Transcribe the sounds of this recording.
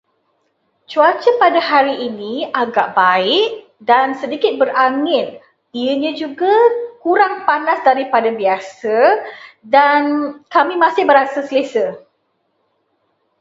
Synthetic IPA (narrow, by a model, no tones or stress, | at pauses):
t͡ʃuat͡ʃəpadahaɾiʔːnĩaɡaʔbaɪʔ | dansədikɪt̪̚bəɾaŋɪn̚ | iəɲãd͡ʒuɡakuɾaŋpanasdaɾipadabiasə | dankamĩmãsɪhbəɾasasəlesə